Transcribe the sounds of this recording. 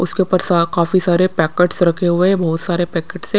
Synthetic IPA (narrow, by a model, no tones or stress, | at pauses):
ʊ̰skeʊpəɾsakaːfisaːɾepɛːkeʈsɾɐkʰeɦʊeɛ̃bɐɦʊt̪saːɾepɛːkeːʈse